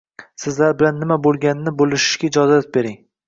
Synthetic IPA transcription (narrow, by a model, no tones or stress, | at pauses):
sɪzlaɾbɪlanːɪmabolˠɡʲanɪnɪbolɪʃɪ̥ʃɡʲaɪd͡ʒɒzat̪̚be̞ɾɪŋ